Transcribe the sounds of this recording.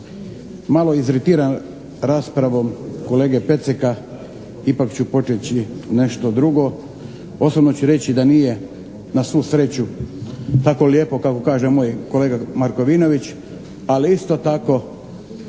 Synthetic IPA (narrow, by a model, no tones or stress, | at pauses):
maloizɾit̪iːɾan | ɾaːspɾaʋomko̞le̞ːɡe̞pe̞t̪seka | ipakt͡ɕupo̞t͡ʃet͡ɕine̞ʃt̪od̪ɾuɡo̞ | o̞sobnot͡ɕuɾe̞t͡ɕid̪anije̞ | nasʋuːsɾe̞t͡ɕu | t̪ako̞ljeːpo̞kako̞kaːʒemoːjko̞leɡamaɾko̞ʋiːno̞ʋit͡ɕ | aliist̪o̞t̪ako̞